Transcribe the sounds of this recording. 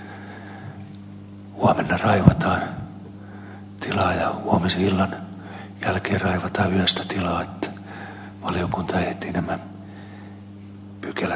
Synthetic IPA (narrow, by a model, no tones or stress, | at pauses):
huɑmenːɑrɑiʋɑt̪ɑːn | t̪ilɑːjɑhuɑmisilːɑn | jælkeːrɑiʋɑt̪ɑːyhøst̪æ̥t̪ilɑːet̪ːæ̥ | ʋɑliokunt̪ɑeht̪ːiːnæmæ | pykelæ